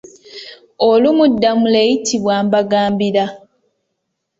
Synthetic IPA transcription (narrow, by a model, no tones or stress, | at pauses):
olumudːamule̞ːjitʰiβwaːmbaɡaːmbiɾa